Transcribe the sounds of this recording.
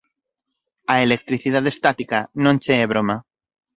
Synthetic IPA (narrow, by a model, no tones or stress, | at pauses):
aelek̚t̪ɾiθiðaðest̪at̪ikanõnt͡ʃeːβ̞ɾoma